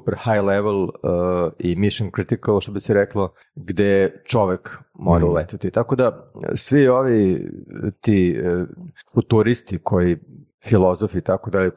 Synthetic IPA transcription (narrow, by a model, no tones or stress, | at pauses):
upeɾhajlɛʋelˠ | imiʃonkɾit̪ikalˠʃt̪obisɛɾɛklˠo | ɡd̪et͡ʃoʋekmoɾaulet̪et̪it̪akod̪asʋioʋi | t̪i | fut̪uɾist̪ikʰoji | filozofit̪akod̪ale